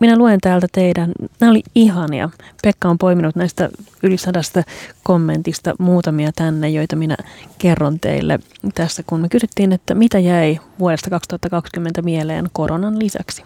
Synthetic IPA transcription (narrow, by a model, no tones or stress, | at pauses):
minæluent̪æːlt̪æt̪eidænnæːoliiɦɑnjɑ̰pekːɑompo̞jminut̪næist̪æ̰ylisɑdɑst̪ɑkomːe̞nt̪ist̪ɑ̰muːt̪ɑmiɑt̪ænːejjo̞jt̪ɑminæ̰kerːont̪ḛilːḛt̪æsːækunmekysyt̪ːiːnet̪ːæmit̪æjæiʋuodest̪ɑkɑkst̪uhɑt̪ːɑkɑkskymːent̪æmielḛːnko̞ɾonɑnlisæ̰ksi̥